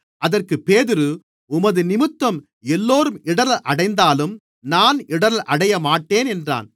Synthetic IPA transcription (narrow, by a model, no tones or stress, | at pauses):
ɐðɐrkɯpeːðɪɾɯ | ʊmɐðɯnɪmɯt̪ːɐm | ɛlːoːɾɯmɪɽɐɾɐʔɐɽɐɪnd̪aːlɯm | naːnɪɽɐɾɐlʔɐɽɐjɐmaːʈːeːnɛndra̰ːn